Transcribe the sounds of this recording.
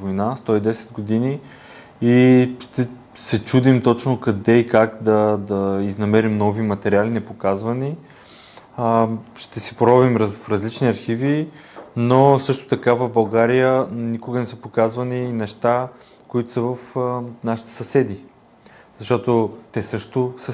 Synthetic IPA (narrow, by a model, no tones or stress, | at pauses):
vojnast̪ɔid̪ɛsɛ̥d̪ɡod̪ini | iʃt̪ɛ | sɛt͡ʃud̪imt̪ɔt͡ʃnokɐd̪ɛikakd̪ɐd̪ɐiznɐmɛɾimnɔvimɐt̪ɛɾʲialinɛpokazvəni | ʃt̪ɛsi̥pɾɔbvimɾfɾɐzlit͡ʃniɐɾxivinosɤʃt̪ʊ̥t̪ɐkavəvbɐlˠɡaɾijənikʊɡənɛsəpokazvɐniːnɛʃt̪a | koit̪ʊsəvəfnaʃi̥t̪ɛ̥sɐsɛd̪i | zɐʃt̪ɔt̪ot̪ɛsɤʃt̪osə